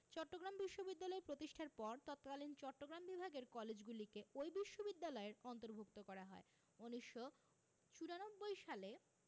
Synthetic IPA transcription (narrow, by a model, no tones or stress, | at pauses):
t͡ɕɔʈːoɡɾambiʃːobid̪ːalɔeɾpɾot̪iʃʈʰaɾpɔɾt̪ɔt̪kalint͡ɕɔʈːoɡɾambibʱaɡeɾkɔled͡ʑɡulikeojbiʃːobid̪ːalɔeɾɔnt̪oɾbʱok̚t̪okɔɾaɦɔe | oniʃːo | t͡ɕuɾanobːojʃale